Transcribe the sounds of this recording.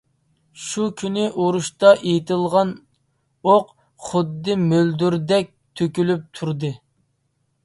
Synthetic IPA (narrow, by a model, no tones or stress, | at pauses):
ʃukʲʰynɪʔoɾuʃt̪ɑʔejt̪ɪlˠʁɑn | oq | χʊd̪ːɨmøld̪yɾd̪ɛk̚ʲt̪ʰøkʲylyp̚t̪ʰuɾd̪ɨ